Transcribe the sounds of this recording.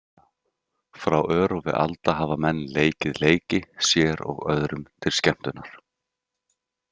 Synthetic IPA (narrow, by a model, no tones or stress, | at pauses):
fɾawʔœːɾɔvɪ̰ða̰lt̪aɦaːvamɛnːleːjcɪðleːjcɪsjɛːɾɔ̰ɣœ̰ðɾʏmt̪ʰɪlscɛm̥t̪ʏnaɾ̥